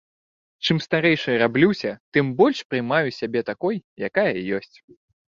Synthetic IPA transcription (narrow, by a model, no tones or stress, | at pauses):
t͡ʂɨmst̪aɾɛjʂɨɾablʲuwsʲɐt̪ɨmbɔlʲʂpɾɨmajusʲabʲɛt̪akɔjja̰kajɐjɔsʲt͡sʲ